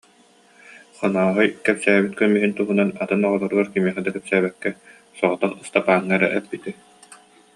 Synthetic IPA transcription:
χɔnaːɦɯjkɛpsæːbit̪̚kœmiɦint̪uɦunanat̪ɯnɔʁɔlˠɔɾɯɡaɾkimiɛχɛd̪akɛpsæːβɛkːɛ | sɔʁɔt̪aχɯst̪apaːŋːaɾa̰ʔɛpːit̪i

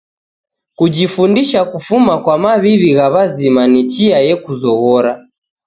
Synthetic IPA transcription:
kud͡ʒifundiʃakufumakwamaβiβiɣaβazimanit͡ʃiajɛkuzɔɣɔɾa

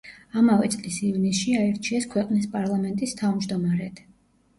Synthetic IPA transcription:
amavɛt̪sʼlisivnisʃiaɛɾt͡ʃʰiɛskʰwɛqʼnispʼaɾlˠamɛnt̪ʼist̪ʰavmd͡ʒd̪ɔmaɾɛt̪ʰ

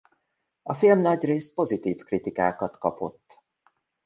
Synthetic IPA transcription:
ɒfilmnɒɟreːst̪̚po̞zit̪iːfkrit̪ika̰ːkɒt̪kɒpo̞̰t̪ː

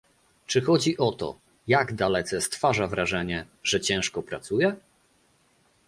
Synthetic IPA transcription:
t͡ʂɘxɔd͡ʑiʔɔt̪ɔ̰ | jaɡd̪alɛt̪sɛst̪faʐavɾaʐɛɲɛ | ʐɛt͡ɕɛ̃w̃ʂkɔpɾat̪sujɛ

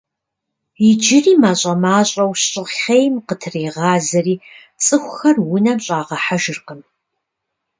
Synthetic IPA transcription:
id͡ʒɪriːmaːɕʼɐmaːɕʼɐwɕɕʼɪχejmqətʰreːʁɑːzɐɾiː | t͡sʼɨxʷxɐrwʊnɐmɕʼaːʁɐħaʒɨrqəm

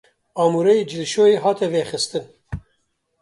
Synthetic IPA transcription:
ɑːmuːɾɛjid͡ʒɪlʃoːjeːɦɑːt̪ɛveːxɨst̪ɨn

